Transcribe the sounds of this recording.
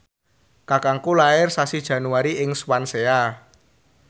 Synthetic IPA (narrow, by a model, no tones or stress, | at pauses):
kakaŋkulaɪrsasid̥ʒ̥ä̤nuaɾiɪŋswansea